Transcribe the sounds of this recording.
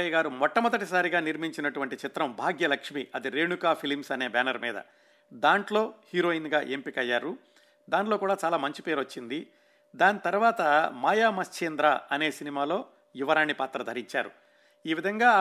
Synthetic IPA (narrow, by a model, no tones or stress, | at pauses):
ɐjɐɡaːɾumɔʈːɐmɐd̪ɐʈisaːɾiɡaːniɾmiɲt͡ʃinɐʈuʋɐɳʈit͡ʃit̪ɾɐmbʱaːɡjɐlɐkʂmiːʔɐd̪iɾe̞ːɳukaːpʰilmsɐne̞ːbɛːnɐɾmḭːd̪ɐ̰ | d̪aːɳʈlo̞ːhiːɾo̞ːinɡaːʔempikɐjːaːɾu | d̪aːɳʈlo̞ːkuːɽaːt͡ʃaːlaːmɐɲt͡ʃipeːɾot͡ʃːind̪i | d̪aːnit̪ɐɾuʋaːt̪ɐmaːjaːmɐst͡ʃeːnd̪ɾaːɐne̞ːsinimaːlo̞ː | iʋɐɾaːnːipaːt̪ɾɐd̪ʱɐɾiɲt͡ʃa̰ːɾṵ | iːʋid̪ʱɐŋɡaː